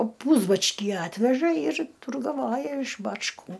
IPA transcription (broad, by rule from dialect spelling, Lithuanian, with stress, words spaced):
ˈpuːzbɐt͡ʃʲkʲiː ˈɑːtʲʋʲɛʒɐ ɪr tʊrɡɐˈʋoːjɛ ɪʃ bɐt͡ʃˈkuː